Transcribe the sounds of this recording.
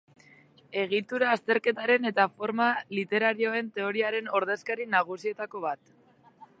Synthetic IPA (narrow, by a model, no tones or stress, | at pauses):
e̞ɣ̞it̪uɾaːst̪e̞ɾke̞t̪aɾe̞ne̞t̪afo̞ɾmalit̪e̞ɾaɾio̞e̞nt̪e̞o̞ɾiaɾe̞no̞ɾðe̞skaɾinaɣ̞usie̞t̪ako̞β̞at̪